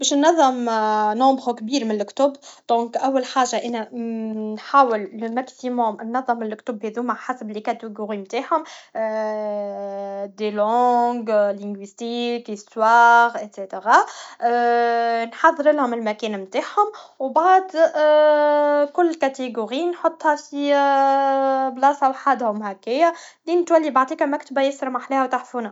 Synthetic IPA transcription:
bɛːʃnːɑðˤːɑmnoʕbɣukbiːɾmɪnɪlɪkt̪ʊbd̪̥ɔ̃ːkʔæwːælħaːʒaʔænænħaːwɪlmæksimʊmnːɑðˤːɑmːɪnlɪkt̪ʊbheðuːmaħasblikat̪eɡoɣiːmt̪aːʕhʊm | d̪elɔ̃ːɡlɪŋɡwist̪iːkswaːɣʔɪt̪set̪eɣɑ | nħɑðˤːɾɪlhʊmɪlmækɛːnmt̪aːħhʊmwbaʕd̪ | kʊlːkæt̪eɡuʁiːnħot̪ˤːhæfi | blɑsawħad̪hʊmhækːɪjːæliːnɪt̪wælːibaʕd̪ˤiːkæmæk̚t̪bæjɪsəɾmaħleːhæwt̪aħfunæ

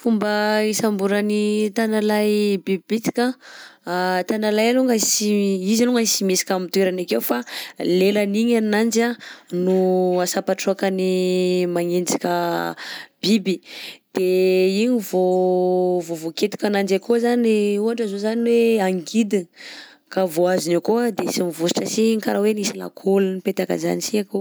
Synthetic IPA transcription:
fumbəisambuɾanit̪analajbibibit̪i̥kʲəat̪analajaluŋɡəsiizaluŋɡəsimesi̥kʲamit̪uweɾanakewfalelaniɲannand͡ʒanuasapaʈ͡ʂuakanimaŋend͡zi̥kʲə | b̥ibid̪̥eiɲivo | vovoket̪u̥kʲanand͡ʒakozaneuaɳʈ͡ʂazozaniweaŋɡid̪i | kavoazinakoad̪esimivusi̥ʈ͡ʂəsiŋkaɾawenisila̰kʰolunipet̪aka̰za̰nisiako

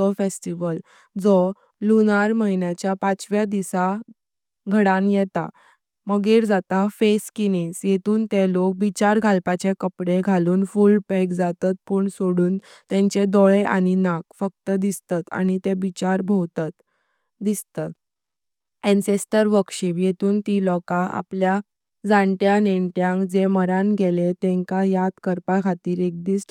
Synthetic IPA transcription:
əfesʈiʋəl | d͡zɔ | lunaɾməɦinjat͡ɕjapãt͡sʋjad̪isa | ɡʱəɽãnjɛt̪a̰ | məɡeɾd͡zat̪afeskinisjet̪uːnt̪elok̚bit͡ɕaɾɡʱalpat͡ɕekəpɽeɡʱaluːnfulpɛkd͡zat̪at̪̚puɳsoɽuːnt̪ẽɲt͡ɕed̪ɔɭeʔa̰ɽ̃inakfək̚t̪əd̪ist̪at̪a̰ñit̪ebit͡ɕaɾbʱowt̪at̪ | d̪ist̪at̪ | ɛnsesʈəɾʋəkɕiʋjet̪uːnt̪ilɔkaa̰plja | d͡zãɳʈjaneɳʈjãŋkd͡zeməɾãnɡʱelet̪ẽŋkajat̪kəɾpakʰat̪iːɾek̚d̪iːs

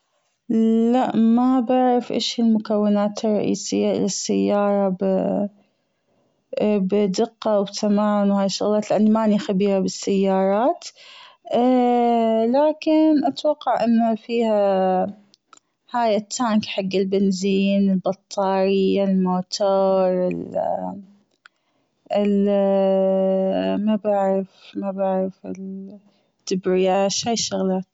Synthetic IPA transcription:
laʔmabaʕɾɑfʔɪ̰ːʃhɪlmʊkawːɪnaːt̪ɨrˤːɑ̰ʔḭːsɪjːaʔɪ̰lasːajːɑːɾˤɑb | bd̪ɪqːɑwbt̪ʰamaːnwhaːjʃːʊ̰ɣlɑːt̪lɪʔanːimaʔnixabiːɾabɪsːajːɑːɾˤɑːt̪ː | laːkɪnʔat̪wɑqːɑʕʔɪnːafiːha | haːjɪt̪ʰːaːŋkħaɡːɪlbɪnziːnɪlbɑt̪ˤʰːɑːɾɪjːalmoːt̪ʰoːɾˤɪl | ɪl | mabaʕɾɪfmabaʕɾɪfɪl | t̪ːɪbɾɪjaːʃhaːjʃʊɣlɑːt̪

